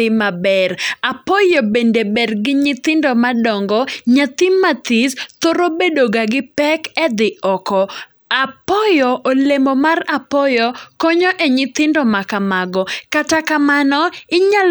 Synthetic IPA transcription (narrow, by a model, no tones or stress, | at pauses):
ɪmabɛrapɔjobendebɛrɡɪɲɪt̪ɪndomadɔŋɡɔɲat̪ɪmat̪ist̪oɾobedoɡaɡɪpɛkɛd̪ɪʔɔkɔ | apɔjɔʔolemɔmarapɔjɔkɔɲoʔeɲɪt̪ɪndɔmakamaɡɔkatakamanɔɪɲal